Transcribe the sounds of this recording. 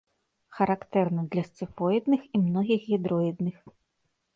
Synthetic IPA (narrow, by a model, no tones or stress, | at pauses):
xɐɾakt̪ɛrnɐd̪lʲɐst̪sɨfɔjid̪nɨximnɔɣʲixɣʲid̪ɾɔid̪nɨx